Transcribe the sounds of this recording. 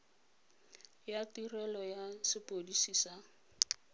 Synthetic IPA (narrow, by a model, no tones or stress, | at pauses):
jatirɛlɔjasɪpʼodisisa